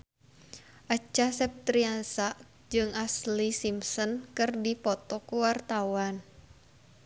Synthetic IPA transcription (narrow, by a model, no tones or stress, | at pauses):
ʔat͡ʃasɛp̚t̪ɾiansaʔ | d͡ʒɨŋaslisimsɔnkɨrdipɔt̪ɔkuwart̪awan